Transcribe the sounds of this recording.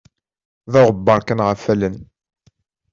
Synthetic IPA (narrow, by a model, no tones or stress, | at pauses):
ðʊʁəbːəɾˤkænʁəfːælən